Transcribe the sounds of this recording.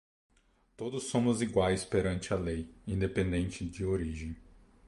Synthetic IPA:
t̪od̪ʊsːõmʊziɡwajspeɾɐ̃nt͡ʃɪɐlejĩnd̪epẽnd̪ẽnt͡ʃɪd͡ʒɪoɾiʒẽj̃

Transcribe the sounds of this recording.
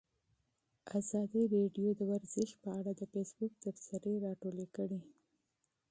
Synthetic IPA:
azɑd̪iɾeɖjod̪əwaɾzɪʃpəaɽad̪əfesbuk̚t̪afsaɾeɾɑʈolekəɽi

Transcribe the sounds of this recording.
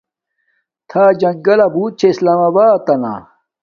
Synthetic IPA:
t̪ʰaːd͡ʑɐŋɡɐlɐbuːt̪̚t͡ɕʰeislaːmɐbaːt̪ɐna̰

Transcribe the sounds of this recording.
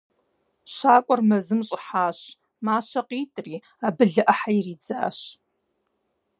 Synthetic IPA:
ɕaːkʷʼɔrmɐzɨmɕʼɪħaːɕ | maːɕɐqiːtʼriː | abɨɮɨʔɐħajriːd͡za̰ːɕ

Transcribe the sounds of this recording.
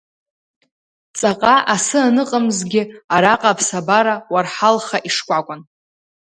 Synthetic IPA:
t͡sʼaqʼaʔasɨanɨqʼəmzɡʲɪaɾaqʼapʰsabaɾawarħalχaʔiʂkʷʼakʷʼʊn

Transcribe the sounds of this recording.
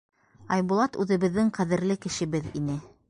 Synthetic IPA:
ɑjβulˠɑt̪ʉðɘ̆βɘ̆ðːɘŋqæðɘ̆ɾlɘkɘ̆ʃɘ̆βɘðinɘ

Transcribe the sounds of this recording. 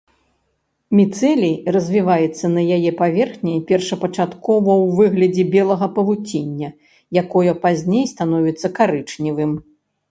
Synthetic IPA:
mʲit̪sɛlʲirɐzʲvʲivajɛt̪sːɐnɐjajɛpavʲɛrxnʲɛjpʲɛrʂɐpɐt͡ʂat̪kɔvɐwvɨɣlʲɐd͡zʲɛbʲɛlˠɐɣɐpɐvut͡sʲinʲːɐ | jakɔjɐpazʲnʲejst̪anɔvʲit̪sːɐkaɾɨt͡ʂnʲivɨm

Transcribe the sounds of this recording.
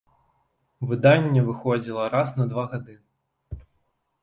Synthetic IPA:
vɨd̪anʲːɐvɨxɔd͡zʲilˠɐɾasnɐd̪vaɣad̪ɨ

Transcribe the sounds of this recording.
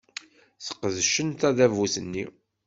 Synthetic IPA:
θə̥qːəðʃənt̪æðævusənːi

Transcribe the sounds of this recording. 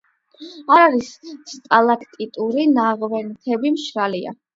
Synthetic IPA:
aɾaɾisst̪ʼalˠakʰt̪ʼit̪ʼuɾinaʁvɛnt̪ʰɛbimʃɾalia̰

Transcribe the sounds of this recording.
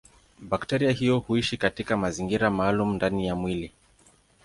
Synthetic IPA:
ɓaktɛɾiaɦijɔhuiʃikatikamaziŋɡiɾamaːlumundanijamwili

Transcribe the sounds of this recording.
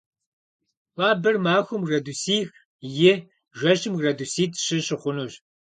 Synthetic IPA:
wʷaːbɨrmaːxʷʊmrɐdusiːx | jɪ | ʒʷɐʃɪmrɐdusiːtʰɕɨɕɨχʷʊnuɕ

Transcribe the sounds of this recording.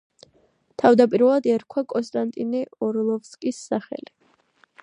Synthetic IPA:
t̪ʰavd̪apʼiɾvɛlˠad̪ɛɾkʰwakʼɔnst̪ʼant̪ʼinɛɔɾlˠɔfskʼisːaχɛ̰li

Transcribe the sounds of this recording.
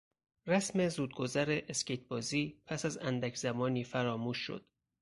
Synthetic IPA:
ræsme̞zuːd̪̚ɡo̞zæɾeʔeskcejt̪̚ʰbɒːziːpʰæsæzænd̪æcʰz̥æmɒːniːfæɾɒːmuːʃʃo̰d̪̥

